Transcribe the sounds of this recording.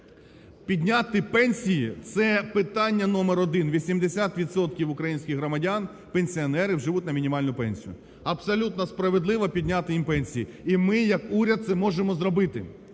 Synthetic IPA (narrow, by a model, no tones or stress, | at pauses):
pʲid̪ʲnʲat̪ɪpɛnʲsʲijit̪sɛpɪt̪ɑnʲːɐnɔmeɾɔd̪ɪnʋʲisʲimd̪esʲat̪ʋʲid̪sɔt̪kʲiwʊkɾɐjinʲsʲkʲɪxɦɾɔmɐdʲan | penʲsʲiɔnɛɾɪwʒɪʋutʲnɐmʲinʲimɑlʲnʊpɛnʲsʲijʊ̰ | ɐpsɔlʲut̪nɔspɾɐʋed̪lˠɪʋɐpʲid̪ʲnʲat̪ɪjimpɛnʲsʲijiimɪjɐkuɾʲɐd̪̚sɛmɔʒemɔzɾɔbɪt̪ɪ̰